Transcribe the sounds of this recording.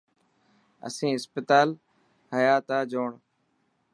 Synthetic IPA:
ə̰sĩːɪspɪt̪aːl | həjaːt̪aːd͡ʒoːɳ

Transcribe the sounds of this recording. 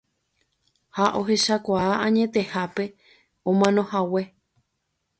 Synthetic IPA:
haʔo̞ɦe̞ʃakʷaaʔãɲẽ̞t̪e̞hape̞ | õmãnõ̞hawe̞

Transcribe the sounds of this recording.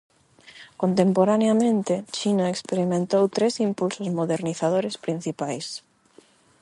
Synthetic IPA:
kont̪empoɾaneamẽnt̪ɪt͡ʃinaekspeɾimẽnt̪owt̪ɾesimpulsozmoðeɾniθaðoɾespɾin̟θipajs

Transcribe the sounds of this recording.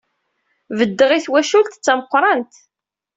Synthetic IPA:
vəd̪ːəʁiθwæʃult̪t͡sːæməqʷːɾˤɑnt̪

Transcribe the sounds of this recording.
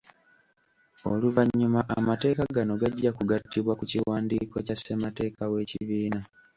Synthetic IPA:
o̞̰luvaɲːumaʔa̰mate̞ːkaɡano̞ɡaɟːakuɡatːiβwakuciwaːndiːko̞casemate̞ːkawe̞ːciβiːna

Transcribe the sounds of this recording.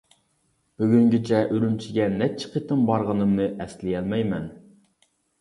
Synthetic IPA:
b̥yɡʲyŋɡʲɪt͡ʃʰɛʔøɾymt͡ʃʰiɡʲɛnɛp̚t͡ʃʰɪ̥qʰet̪ɨmbɑɾʁənɨmnɨʔɛslɪjɛlmɛjmɛn

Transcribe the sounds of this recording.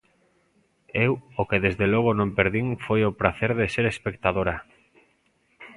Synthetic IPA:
ewokeðezðelɔɣ̞onõmpeɾðiŋfojopɾaθeɾðeseɾespekt̪aðoɾa

